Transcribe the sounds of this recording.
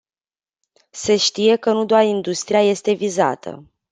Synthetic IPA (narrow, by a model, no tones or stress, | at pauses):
se̞ʃt̪ije̞kənud̪oarind̪ust̪ɾijaje̞st̪e̞viza̰t̪ʰə̰